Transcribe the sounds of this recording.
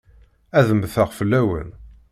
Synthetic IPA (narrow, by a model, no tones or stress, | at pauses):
æðəmːθəʁfəlːæwə̰n